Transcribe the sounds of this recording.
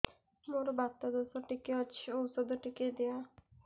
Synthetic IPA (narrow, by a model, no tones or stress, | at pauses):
moɾbat̪ːad̪osoʈikeɔowsod̪oʈiked̪eja